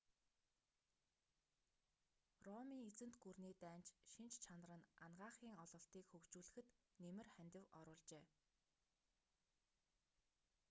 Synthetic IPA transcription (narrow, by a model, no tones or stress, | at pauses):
rɔmiːŋet͡sɘ̆nt̪ɡurniːt̪æːnt͡ɕʃint͡ɕt͡ɕʰan̆rə̆nanɢaːχiːŋɔɮɞ̆ɬt̪iːkxɵkt͡ɕuːɮɘ̆xɘ̆t̪nemɘ̆rχænʲt̪ɪ̆wɔɾʊːɮt͡ɕeː